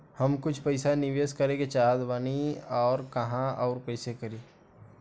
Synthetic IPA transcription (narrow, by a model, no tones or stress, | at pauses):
hɐmkʊt͡ʃʰpəɪsanɪʋeːskɐɾeket͡ʃaːɦd̪ʋaniɔːɾkɐɦãɔːɾpəɪsekɐɾiː